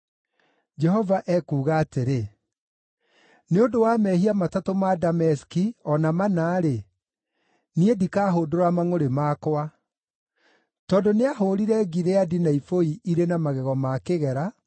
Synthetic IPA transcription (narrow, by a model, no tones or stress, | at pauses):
d͡ʒɛhɔvaʔɛkuːɣaːteɾe | neondowamɛhiamatatomadamɛskiɔnamanaːɾe | niedikaːɦodoɾamaŋoɾemakwa | tɔndoneaɦoɾiɾɛɡiɾeadinaifoiiɾenamaɣɛɣɔmakeɣɛɾa